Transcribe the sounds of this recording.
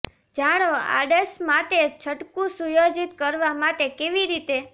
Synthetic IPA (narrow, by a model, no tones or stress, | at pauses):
d͡ʒaɽ̃oa̰ɖesmat̪et͡ʃʰəʈkũsujod͡ʒit̪kəɾʋamaʈekeʋiɾit̪e